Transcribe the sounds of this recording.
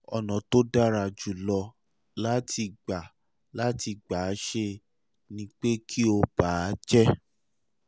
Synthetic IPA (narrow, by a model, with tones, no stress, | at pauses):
ɔ˨nɔ̃˨to˦da˦ɾa˧˨d͡ʒu˨lɔ˧ | la˦tʰi˧ɡ͡ba˨ | la˦ti˧ɡ͡ba˨˦ʃe˧ | nĩ˦k͡pe˦kʰi˦o˧b̥a˨˦d͡ʒɛ˦